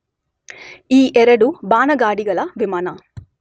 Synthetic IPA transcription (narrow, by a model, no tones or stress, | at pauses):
iːʔɛɾɐɽubaːnɐɡaːɽiɡɐɭɐʋimaːnɐ